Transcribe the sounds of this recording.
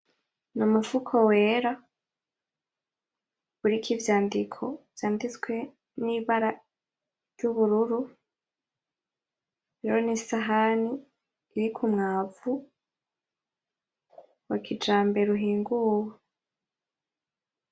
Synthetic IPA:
numufukʰowe̞ːɾa | βuɾikʰivjaːndikʰo̞v̥jaːndit͡skwe̞ | niβaɾa | ɾjuβuɾuɾu | ɾeɾonisaɦaniː | ɾikʰumŋaːvu | wakʰid͡ʒaːmbe̞ɾuɦiːŋɡuːwa

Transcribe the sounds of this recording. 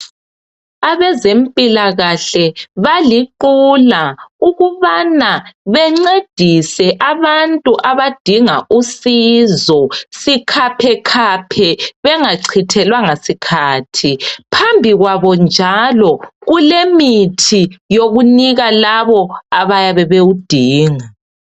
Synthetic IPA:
aβɛzempʼilaɣaɬɛβaliǃulauɣuβanaβɛŋ͡ǀed̥ʱisɛʔaβantʼuʔaβad̥ʱiŋaʔusizɔsikʰapʰɛkʰapʰɛβɛŋaǀʰitʰɛlwaŋasikʰaːtʰipʰambʱiɣwaβɔnd͡ʒʱalɔɣulemitʰijoɣuniɣalaβɔaβajaβɛβeud̥ʱiːŋa

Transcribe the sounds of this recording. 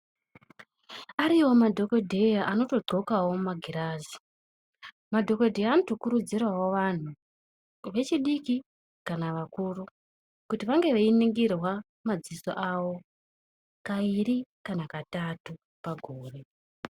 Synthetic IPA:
aɾiwo̞madʱo̞ko̞dʱejaʔano̞to̞ɡ͡ǃo̞kawo̞mmaɡʱiɾaːzi | madʱo̞kedʱejaːno̞to̞kuɾud͡zirawo̞ʋan̤u | ʋe̞t͡ʃiɗiki | kanaʋakuːru | kutiʋaŋɡe̞ʋeiniŋɡirwa | mad͡ziso̰ʔawo̞ | kairikanakatatu | paɡʱoːre̞

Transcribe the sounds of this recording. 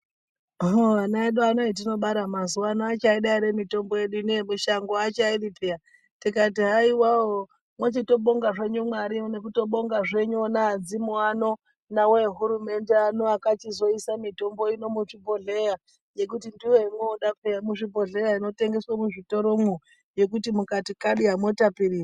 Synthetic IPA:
ɦoanaeɗuanoit̬ino̞ɓaɾamazuwanaːt͡ʃaiɗaiɾemito̞mbo̞je̞ɗuneemuʃaŋɡoat͡ʃairipija | tikat̬iɦaiwaɦo | mwet͡ʃito̞ɓoŋɡaʐe̞ɲumwaɾione̞kuto̞ɓo̞ŋɡaʐe̞ɲuonaːd͡zimoano̞ | naweɦuɾume̞nde̞anoakat͡ʃizo̞isamito̞mbo̞ino̞muʂibʱo̞ɮe̞ja | je̞k̬utindiwoimweːɗapejamuʐibʱo̞ɮe̞jaino̞te̞ŋɡe̞swomuʐito̞ɾomu | je̞k̬utimukatikaɗiɦamwotapiriːra

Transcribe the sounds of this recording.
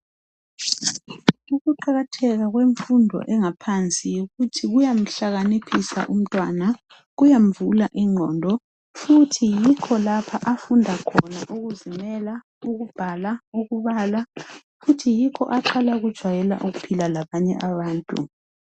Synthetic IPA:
uɣuǃaɣatʰɛɣaɣweɱfundʱɔ̰ʔɛŋapʰant͡sʼijuɣutʰiɣujam̩ɬaɣanepʰisa̰ʔum̩tʼwana | ɣujam̩vulaʔiŋ͡ǃʱɔndʱɔ | futʰijikʰɔlapʰaʔafundʱakʰɔnaʔuɣuzimɛla | uɣub̥ʱalauɣuβaːla | futʰijikʰɔ̰ʔaǃʰalauɣud̥ʒ̥ʱwajɛla̰ʔuɣupʰilalaβaɲɛ̰ʔaβaːntʼṵ

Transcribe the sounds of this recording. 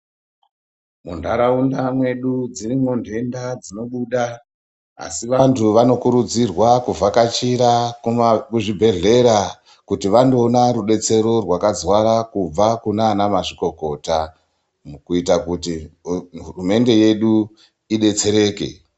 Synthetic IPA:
mundʱaɾaundamwe̞ɗud͡zirimondʱe̞ndad͡zino̞ɓuːɗa | a̰siʋantʰuʋano̞kuɾud͡zirwakuvʱakat͡ʃiɾa | kuʐibʱe̞ɮe̞ɾa | kutiʋando̞ːnaɾuɗe̞t͡se̞ɾo̞rwakazwaɾakub͡vakunaːnamaʐiko̞ko̞ta | kuitakuti | urume̞nde̞je̞ɗu | iɗe̞t͡se̞ɾe̞ːke̞̰

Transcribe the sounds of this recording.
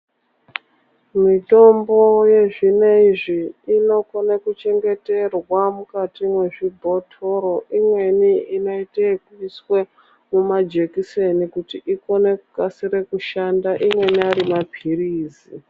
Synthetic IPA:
mito̞mbo̞je̞ʐineiʐiːno̞konekut͡ʃe̞ŋɡe̞te̞rwamukatimwe̞ʐibʱo̞tʰo̞ɾo̞ʔimwe̞niino̞itekuiswe | mumad͡ʒekisenikutiʔiko̞ne̞kukasiɾekuʃandaʔimwe̞niaɾimapʰiriːzi

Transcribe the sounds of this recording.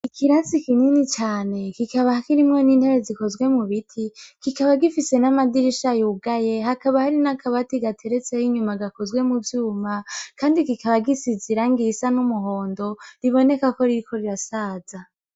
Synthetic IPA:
ikʰiɾasikininit͡ʃaːne̞kikaβahakiɾimŋoniːnhe̞ɾeziko̞zɡwe̞muβitʰikikaβaɡifise̞namadiɾiʃajuːɡaje̞ɦakaβahaɾinakaβatiɡatʰe̞ɾet͡sejiɲumaɡako̞zɡwe̞muvjuːmakʰaːndikikaβaɡisiziɾaŋɡisanumuɦoːndo̞ɾiβo̞ne̞kako̞ɾiɾikʰo̞ɾiɾasaːza

